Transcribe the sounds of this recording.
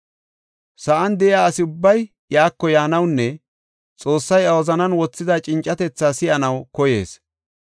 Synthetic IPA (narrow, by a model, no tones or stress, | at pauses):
sɐʔɐnd̪ɛʔɪjaːɐsɪʊbːɐj | jaːkːɔjaːnɐwnːɛ | t͡sʼoːsːɐjɐwɐzɐnɐnwɔt͡sːɪd̪at͡ʃʼɪnt͡ʃʼːɐt̪ɛt͡sːaːsɪʔɐnɐwkɔje̞̰ːs